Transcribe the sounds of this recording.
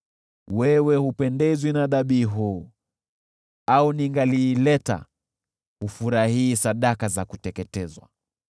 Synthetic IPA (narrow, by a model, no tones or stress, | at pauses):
wɛwɛhupɛndɛzwinaðaɓiːɦuː | auniŋɡaliːlɛta̰ | hufuɾahiːsaɗakazakutɛkɛtɛzwa̰